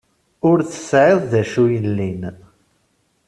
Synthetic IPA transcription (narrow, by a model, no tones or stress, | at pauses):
ʊɾθə̥sʕɪðˤðæʃujəlːin